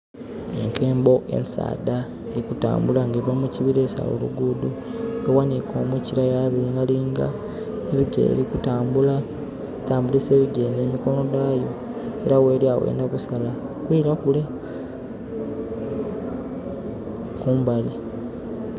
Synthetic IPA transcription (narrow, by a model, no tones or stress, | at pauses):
e̞̰ŋke̞ːmbo̞ʔe̞̰nsa̰ːda | eɾikuta̰ːmbulaŋɡevamuciβiɾe̞ːsa̰wo̰lṵɡuduewaniko̞̰ːmuciɾajaziŋɡaliːŋɡa̰ | eβiɡḛːɾikutaːmbula | taːmbulise̞ːβiɟe̞ːneːmiko̞nodaːjo̞ | e̞ɾawe̞ːliawḛːndaβusalakwiːɾakule̞ | kuːmbali